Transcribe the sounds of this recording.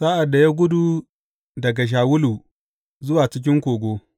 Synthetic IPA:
saː˦ʔa˨dːa˨ja˦ɡʷʊ˦du˨ | dɐ˨ɡa˨ʃ̬aː˨wʊ˦lu˨ | zʊ˦waː˨t͡ʃɪ˦k̬ʲɪ˦ŋkʷoː˨ɡʷoː˦

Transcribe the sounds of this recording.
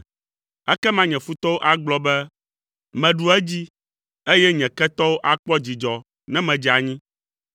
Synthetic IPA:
ɛ˦kɛ˦mã˦ɲɛ̃˨fu˦t̪ɔ˦wo˦ʔa˦ɡ͡blɔ˦bɛ˦ | mɛ̃˨ɖu˨ɛ˦d͡ʑi˦ | e˦jɛ˦ɲɛ̃˨kɛ˦t̪ɔ˦wo˦ʔa˨k͡pɔ˦d͡ʑi˨d͡ʒɔ˨ | nɛ̃˦mɛ̃˨d͡ʑi˨a˨ɲĩ˦

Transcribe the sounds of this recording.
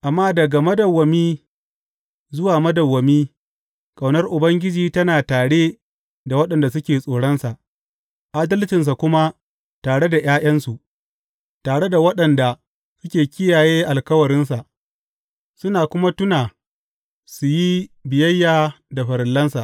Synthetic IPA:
ʔa˨mːaː˦dɐ˨ɡa˨mɐ˦dɐ˨wːɐ˨miː˦ | zʊ˦waː˨mɐ˦dɐ˨wːɐ˨miː˦ | kʼa˨wnɐ˦rʔʊ˨bɐ˦ŋɡʲɪ˦d͡ʒiː˦tɐ˦naː˨taː˨ɽe˦ | da˨wɐ˦ɗɐ˨nda˨sʊ˦kʲeː˨sʼoː˨ɽɐ˦nsa˨ʔ | ʔa˦dɐ˦ltɪ˨ns̬a˨kʷʊ˦ma˦ | taː˨ɽe˦da˨j̰aː˦j̰ɐ˦nsu˨ʔ | taː˨ɽe˦da˨wɐ˦ɗɐ˨nda˨ | sʊ˦kʲeː˨kʲɪ˦jaː˨jeː˦ʔa˨lkɐ˦wɐ˨ɽɪ˦nsa˨ʔ | sʊ˦naː˨kʷʊ˦ma˦tʊ˦naː˨ | su˨ji˦bɪ˨jɐ˦jːaː˨ | da˨ɸɐ˨ɾɪ˨lːɐ˦nsa̰˨ʔ

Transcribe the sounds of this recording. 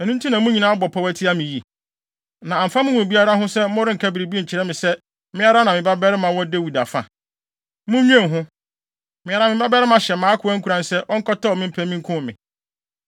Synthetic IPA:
ɛ˨nũ˦n̩˦tʰũ˦nã˨mũ˦ɲĩ˨nãː˦bɔ˨pʰa˨wæ˦tʰɪ˦a˦mɪ̃˨ji˨ | nã˨ã˨m̩˨fa˦mʊ̃˦wũ˨bi˦a˦ɾa˦ɦʊ̃˦sɛ˦mʊ̃˦ɾɪ˦ŋ̩˨kʰa˦bi˨ɾi˨bi˦e˦ɲ̩˨t͡ɕʰɪ˨ɾɛ˦mɪ̃˨sɛ˦ | mɪ̃˦a˦ɾa˦nã˨mɪ̃˨ba˦bɛ˦ɾɪ˦mã˨wɔ˦de˦wu˨da˨fã̰˨ | mũ˦ɲᶣ˦ɛ̃˦˨ɦʊ̃˦ | mɪ̃˦a˨ɾa˨˦mɪ̃˨ba˦bɛ˦ɾɪ˦mã˨ɕɛ˨mãː˨˦kʰʊ˨˦a˦ŋ̩˦kʰu˨ɾã˨nsɛ˦ʔɔ˦ŋ̩˦kʰɔ˦ta˦ɔ˨mɪ̃˦m̩˦pʰæ˦mĩ˦ŋ˦kʰʊ̃˦˨mɪ̰̃˨

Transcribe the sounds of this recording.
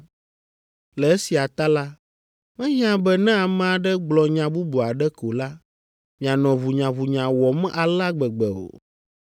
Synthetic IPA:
lɛ˨e˦si˨a˨t̪a˦la˦ | mɛ̃˦ɲ˦ã˨bɛ˦˨nɛ̃˦a˨mɛ̃˦a˨ɖɛ˦ɡ͡blɔ˨ɲã˨bu˦bu˨a˨ɖɛ˦ko˨la˦ | mĩ˨a˨nɔ̃˨vu˨ɲã˨vu˨ɲã˨wɔ˨m˦ʔa˨la˦ɡ͡bɛ˨ɡ͡bɛ˨o̰˨

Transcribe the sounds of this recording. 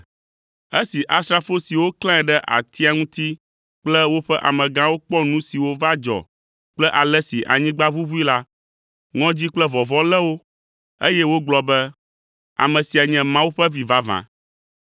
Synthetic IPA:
e˦si˨ʔa˨st̪ɾa˨fo˦si˨wo˦klã˦ɛ˨ɖɛ˦ʔa̰˨t̪ʰi˦a˨ŋũ˦t̪i˦ | k͡plɛ˦wo˦ɸɛ˦ʔa̰˨mɛ̃˨ɡã˦wo˦k͡pɔ˦nũ˦si˨wo˦va˦d͡ʒɔ̰˨ | k͡plɛ˦ʔa˨lɛ˦si˨ʔa̰˨ɲĩ˦ɡ͡ba˦βu˦βu˦i˦la˦ | ŋɔ̃˦d͡ʑi˦k͡plɛ˦vɔ˨vɔ̃˦lɛ˦wo˦ | e˦jɛ˦wo˦ɡ͡blɔ˦bɛ˦ | a̰˨mɛ̃˨si˨a˨ɲɛ̃˦mã˦wu˦ɸɛ˦vi˨va˦vã̰˨

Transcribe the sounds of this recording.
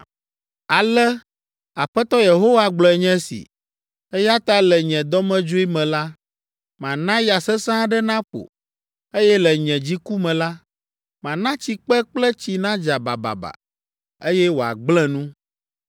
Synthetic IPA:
a˨lɛ˦ | a˨ɸɛ˦t̪ɔ˦je˨ɦo˦wa˦ɡ͡blɔ˨ɛ˨ɲɛ̃˦sḭ˨ | ɛ˦ja˦t̪a˦lɛ˨ɲɛ̃˨d̪ɔ˦mɛ̃˦d͡ʒo˦i˦mɛ̃˨la˦ | mã˨nã˦ja˨sɛ˦sã˦ɖɛ˦nã˦ɸo̰˨ | e˦jɛ˦lɛ˨ɲɛ̃˨d͡ʑi˦ku˦mɛ̃˨la˦ | mã˨nã˦t͡ɕi˨k͡pɛ˦k͡plɛ˦t͡ɕi˨nã˦d͡ʒa˨ba̰˨ba̰˨ba̰˨ | e˦jɛ˦wo˨a̰˨ɡ͡blɛ̃˦nũ˦

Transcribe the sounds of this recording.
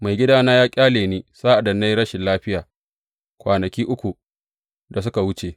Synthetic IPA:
ma˨jɡʲɪ˦daː˦naː˦jaː˦kʲʼaː˦leː˨niː˦saː˦ʔa˨dɐ˨nːa˦jɽɐ˦ʃɪ˨nlaː˦ɸɪ˦jaː˨ | kʷaː˨nɐ˨kʲiː˦ʔʊ˦kʷu˨ | da˨s̬ʊ˦ka˨wʊ˦t͡ʃe˨

